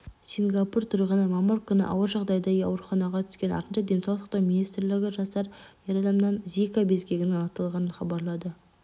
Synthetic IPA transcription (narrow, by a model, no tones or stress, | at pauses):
sʲiŋɡapurt̪ʰʊɾəjʁənəmɑməɾkʲʰʏnɪ̰ʔɑ̰wəɾʒɑʁd̪ɑjd̪ɑɡɑ̰wɾuχɑnɑʁɑt̪ʰʏ̥skʲe̞nɑ̰ɾt̪ənʃɑd̪ʲe̞nsɑw̪ˠsɑq̪t̪ɑwminist̪rlɪɡʲɪʒɑst̪ɑɾjeɾɑd̪ɑmnɑnzikabezɡʲe̞ɡʲɪnɑt̪ɑlˠʁɑnənχɑbɑɾlˠɑd̪ə